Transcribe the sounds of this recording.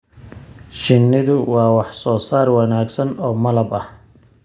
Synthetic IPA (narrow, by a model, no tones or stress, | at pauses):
ʃɪnːɪðʊwɑːwɑħsɔːsaːrwɑnaːɡsɐnɔːmɐlɐbɐh